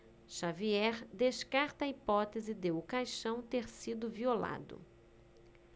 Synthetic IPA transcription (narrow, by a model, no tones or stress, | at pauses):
ʃaviɛɾd̪eʃkaɾt̪ɐipɔt̪ezɪd̪eʊkajʃɐ̃w̃t̪eɾsid̪ʊviola̰d̪ʊ̰